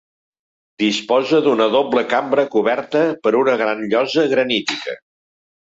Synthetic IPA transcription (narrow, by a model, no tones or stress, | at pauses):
d̪ispɔzəðunəðobləkambɾəkuβɛɾt̪əpəɾunəɣɾanʎɔzəɣɾənit̪ikə̰